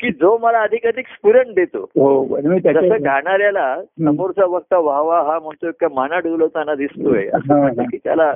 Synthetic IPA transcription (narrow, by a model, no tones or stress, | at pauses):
kiːd͡zoməlaəd̪ʱikat̪ikspuɾəɳʈ̚d̪et̪o̰ɦoənmit̪d͡zəsəɡʱaɳ̃aɾjalasəmoɾt͡saʋək̚t̪aʋaɦʋaɦãm̤əɳt̪oek̚kːamanaɖulət̪anːad̪ist̪ojeə̰sasakiːt̪ja̰la